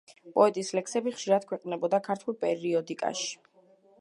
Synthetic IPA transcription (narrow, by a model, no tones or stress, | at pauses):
pʼɔɛt̪ʼislɛksɛbiχʃiɾad̪̥̚kʰwɛqʼnɛbɔd̪akʰaɾt̪ʰwɛlˠpʼɛɾiɔd̪ikʼa̰ʃi̥